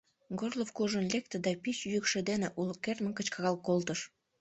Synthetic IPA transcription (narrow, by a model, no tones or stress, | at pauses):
ɡorlˠofkuʒənlʲek̚t̪ed̪ɑpit͡ɕjykʃĕd̪eneʔulkerməŋkət͡ɕkɑɣɑlˠkolt̪əʃ